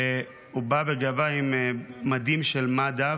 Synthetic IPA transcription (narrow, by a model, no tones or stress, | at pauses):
e | ubabeɡavaimːad̪imʃelmad̪a